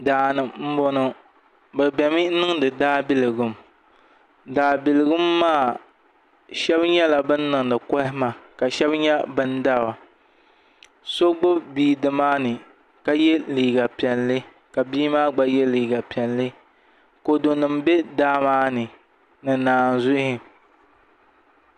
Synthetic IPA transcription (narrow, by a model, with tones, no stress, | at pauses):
daː˨nɨ˨mm̩˦bo˦nɨ˦ | bɨ˨bɛ˨mi˦nɨ˦ŋdɨ˨daː˦bi˦lɨ˨ɡɨ˦m | daː˨bi˨lɨ˨ɡɨ˦mːaː˦˨ | ʃɛ˦bɲɛ˦la˨bɨ˦nː˦ɨ˨ŋnɨ˨kɔ˦hɪ˦ma˨ka˨ʃɛ˦bɲɛ˦bɨ˦nda˦˨ba˨ | so˦ɡ͡bo˦bbiː˦dɨ˨maː˦nɨ˨ | ka˦jɛ˦liː˨ɡa˨pi˨ɛ˨llɨ˦ | ka˨biː˦maː˦ɡ͡ba˦jɛ˦liː˨ɡa˨pi˨ɛ˨nlɨ˦ | ko˨do˨nɨ˨mbe˦daː˦maː˦nɨ˨ | nɨ˨naː˨nzʊ˦hɪ˨